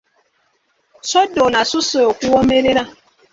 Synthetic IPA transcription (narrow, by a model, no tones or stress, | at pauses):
sɔdonasusookʷuwɔmeɾeɾa